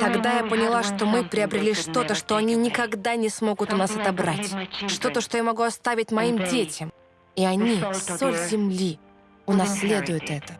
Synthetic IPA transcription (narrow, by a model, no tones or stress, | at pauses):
t̪ɐɡd̪ajapənʲɪlˠaʂt̪o̞mɨpɾʲɪɐbɾʲɪlʲiʂt̪o̞t̪əʂt̪o̞ɐnʲinʲɪkɐɡd̪anʲɪsmo̞ɡʊt̪ʊnasɐt̪ɐbɾatʲʂt̪o̞t̪əʂt̪o̞jamɐɡuɐst̪avʲɪt̚ʲmɐimdʲetʲɪm | iɐnʲissolʲzʲɪmlʲi | ʊnɐsʲlʲe̞d̪ʊjʊt̪ɛt̪ə